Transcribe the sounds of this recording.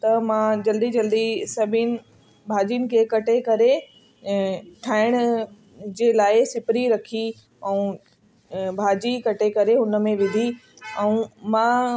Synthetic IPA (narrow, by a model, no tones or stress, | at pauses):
t̪ɐmãd͡ʑɐld̪id͡ʑɐld̪isɐbʱɪnɪ̆ | bʱaːd͡ʑinɪ̆kʰekɐʈekɐɾe | ʈʰaːɪɽ̃ | d͡ʑeːlaːɪsɪpɾiɾɐkʰi | ɛ̃ũ | bʱaːd͡ʑikɐʈekɐɾeɦʊnə̆mẽʋɪd̪ʱi | ɛ̃ũmã